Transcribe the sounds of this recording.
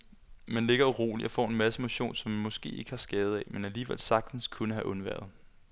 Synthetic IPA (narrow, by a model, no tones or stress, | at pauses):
mænle̝ɡ̥ɐʁo̝̰ːliɒfɒ̰ːe̝nmæsəmo̝ɕo̝̰ːnsɒ̽mænmɒ̽sɡ̥e̝̰ːe̝ɡ̥əhɑ̈sɡ̥ɛːð̞̩ˠɛmenæliːʋel̰sɑ̈ɡ̥̚d̥n̩skʰunəɦæʔɔ̽nʋæ̰ɐ̰ð̩ˠ